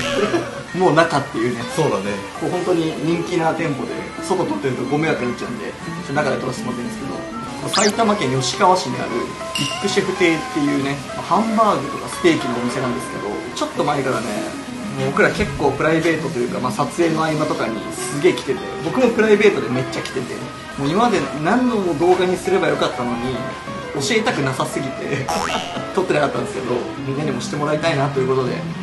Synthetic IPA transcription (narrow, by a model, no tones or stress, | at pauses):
mo̞ːnakat̪ːe̞jɯ̟ːne̞soːd̪ane | ko̞ːɦõ̞nt̪o̞ɲ̟iɲ̟ĩŋkʲinat̪ẽ̞mpo̞d̪e̞̰ | so̞t̪o̞t̪ot̪ːeɾɯ̟t̪oɡo̞meɾak̪aɲit͡ɕːaɯ̟̃nd̪e̞̰ | sonakad̪e̞t̪o̞ɾasmot̪enesɨ̥ke̞d̪o̞̰ | kosait̪amakẽ̞ɰ̃jo̞ɕi̥kaβaɕiɲ̟ḭa̰ɾɯ̟̰ | ikkːɯ̟ɕiɸɯ̟t̪e̞ːt̪ːe̞jɯ̟ːne̞ | mahãmbaːɡɯ̟t̪o̞kasɨ̥t̪e̞ːkʲinːoomʲise̞nãnd̪e̞sɨ̥ke̞d̪o̞̰ | t͡ɕo̞t̪ːo̞maekaɾanḛ | moːbo̞kɯ̟ɾake̞kːo̞ːpɯ̟ɾaibe̞ːt̪o̞t̪o̞jɯ̟kamasat͡sɨe̞ːnoaimat̪o̞kaɲ̟ḭsɨɡe̞ːkʲi̥t̪e̞t̪ḛbo̞kɯ̟mo̞pɯ̟ɾaibe̞ːt̪od̪e̞me̞t͡ɕːakʲi̥t̪e̞t̪e̞̰ | moːimamad̪e̞nãnd̪o̞mod̪o̞ːɡaɲ̟isɨɾe̞bajo̞kat̪ːano̞ɲ̟i | o̞ɕie̞t̪akɯ̟nasasɨɡʲit̪e̞̰ | to̞t̪ːo̞nakat̪ːãnd̪esɨ̥ke̞d̪o̞ | mʲĩnːaɲ̟imo̞ɕi̥t̪e̞mo̞ɾait̪ainat̪o̞jɯ̟ko̞t̪o̞d̪e̞̰